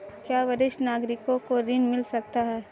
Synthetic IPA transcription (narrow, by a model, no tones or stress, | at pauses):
kjaːʋɐɾɪʃʈnaːɡɾɪkõkoɾɪnmɪlsɐk̚t̪aɦɛː